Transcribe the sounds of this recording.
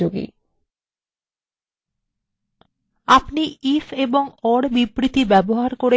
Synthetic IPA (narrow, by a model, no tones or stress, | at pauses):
oɡḭ | apniifeboŋɔɽbibɾit̪ibɛboɦaɾkoɾe